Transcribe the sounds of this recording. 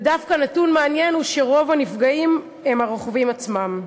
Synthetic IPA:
dafkanatunmeanjenuʃeʁo̞vanifɡaim | emaʁoχvimat͡smam

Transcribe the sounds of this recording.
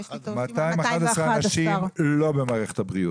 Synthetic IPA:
mat̪aimaχad̪esʁaanaʃimlo̞bemaːʁeχet̪habʁiu

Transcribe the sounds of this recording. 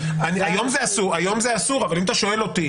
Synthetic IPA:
aniajo̞mzeasuʁajo̞mzeasuʁavalimat̪aʃo̞e̞lo̞ti

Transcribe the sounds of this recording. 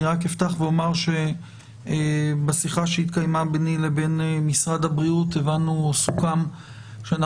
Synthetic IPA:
iʁakeft̪aχveomaʁʃe̞ | besiχaʃeit̪kajmabnilebe̞nemisʁad̪habʁiut̪evanːusukam | ʃeana

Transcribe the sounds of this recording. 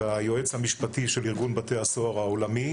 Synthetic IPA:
ajoet͡shamiʃpatiʃeliʁɡunbate̞hasoaʁhaolami

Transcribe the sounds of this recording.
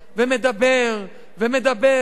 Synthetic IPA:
vemed̪abeʁ | vemed̪abe

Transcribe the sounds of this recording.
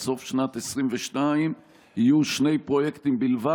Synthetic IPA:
so̞fʃnat̪esʁimveʃnaim | hijuʃne̞jpʁo̞jekt̪imbilva

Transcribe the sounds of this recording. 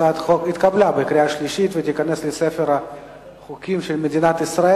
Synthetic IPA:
at̪χokit̪kablʲabekɾʲiaʃlʲiʃit̪vet̪ikaneslesɛfeɾa | χʊkʲimʃelmed̪ʲinat̪isɾae

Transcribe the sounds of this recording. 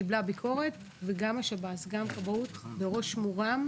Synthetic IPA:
iblabikʰo̞ʁe̞t̪ | veɡamaʃabasɡamkavut̪beʁo̞ʃmuʁam

